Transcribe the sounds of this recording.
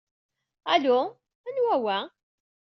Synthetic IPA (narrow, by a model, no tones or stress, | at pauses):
ælʊ | ænwæwæ